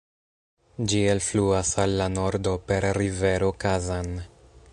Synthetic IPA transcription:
d͡ʒielfluasalːano̞ɾdo̞pe̞ɾːive̞ɾo̞kazan

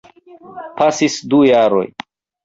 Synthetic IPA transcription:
pasisd̪ujaɾo̞̰j

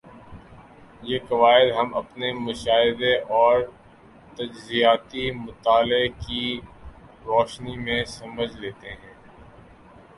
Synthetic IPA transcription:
jeːkɐʋaːɪd̪ɦɐmɐ̰pnemʊʃaːɦɪd̪eʔɔːɾ | t̪ɐd͡ʒzijaːt̪imʊt̪aːleki | ɾɔːʃnimẽsɐməd͡ʒʱleːt̪eɦɛ̃ː

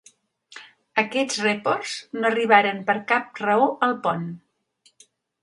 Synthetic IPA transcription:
əkɛt͡srepoɾznoəriβ̞aɾəmpəɾkap̚rəoʔəlˠpɔn

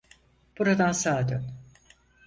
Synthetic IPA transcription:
b̥uɾad̪ansaːd̪øn

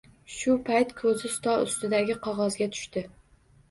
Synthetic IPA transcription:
ʃʊpʰajt̪kʰɵzɪst̪ʰɒʊ̰st̪ɪd̪aɡʲɪqʰɒʁɒzɡʲat̪ʰʊ̥ʃt̪ɪ

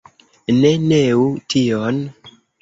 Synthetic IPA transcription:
ne̞neution

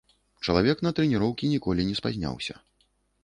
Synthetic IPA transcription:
t͡ʂɐlˠavʲɛknɐt̪ɾɛnʲiɾɔwkʲinʲikɔlʲinʲɛspazʲnʲa̰wsʲɐ̰

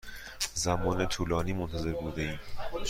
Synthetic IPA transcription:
zæmɒːnet̪ʰuːlɒːniːmont̪ʰæze̞ɾbuːd̪eiːm

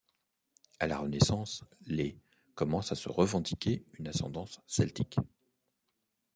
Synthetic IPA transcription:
alaʁənesɑ̃sle | kɔmɑ̃sasə̰ʁəvɑ̃d̪ikʲeynasɑ̰̃d̪ɑ̃sːɛlt̪ik

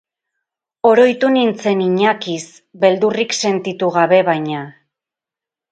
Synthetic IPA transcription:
o̞ɾo̞jt̪unint͡se̞niɲakis | be̞ld̪urikse̞nt̪it̪uɣaβe̞βajɲa

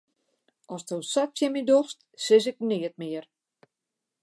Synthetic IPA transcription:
ɔstowsat̚sjɛmidoxst | sɪs̬ɪk̚nɪət̚mɪər

